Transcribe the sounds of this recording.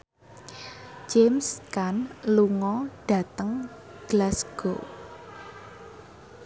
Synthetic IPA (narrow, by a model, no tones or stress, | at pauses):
d͡ʒemskanluŋɔɖ̥ä̤t̪əŋ | ɡ̥lasɡ̥o